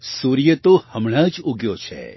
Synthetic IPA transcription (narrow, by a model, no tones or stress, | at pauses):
suɾjət̪ohəmɳəd͡ʒuɡjot͡ʃʰḛ